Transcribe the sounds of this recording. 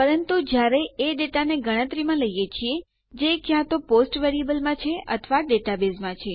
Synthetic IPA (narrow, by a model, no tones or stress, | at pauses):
pəɾənt̪ud͡ʒjaɾeeɖeʈaneɡəɽ̃ə̃t̪ɾimãləijet͡ʃʰie | d͡ʒekjãt̪oposʈʋeɾiəbəlmãt͡ʃʰeə̰t̪ʰʋaɖeʈabezmãt͡ʃʰe